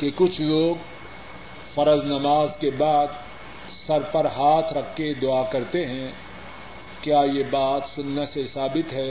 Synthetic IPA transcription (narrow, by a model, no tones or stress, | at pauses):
kekʊt͡ʃʰloːɡ | fɐɾəznɐmaːzkebaːd̪ | sɐɾpɐɾɦaːt̪ʰɾɐkʰːed̪ʊakɐɾt̪eɦɛ̃ | kjaːjebaːt̪sʊnːesesaːbɪt̪ɦɛː